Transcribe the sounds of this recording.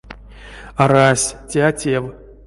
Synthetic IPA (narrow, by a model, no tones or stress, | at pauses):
aɾasʲtʲeatʲew